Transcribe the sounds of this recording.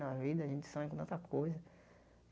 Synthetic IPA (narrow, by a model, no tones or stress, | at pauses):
nɐvid̪ɐaʒẽt͡ʃɪ̥sãm̃kõt̪ɐ̃t̪ɐkojzɐ